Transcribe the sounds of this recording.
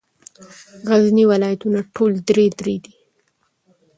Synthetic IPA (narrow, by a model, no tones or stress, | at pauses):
ɣazniwɪlɑjat̪unaʈʰold̪ɾed̪ɾed̪i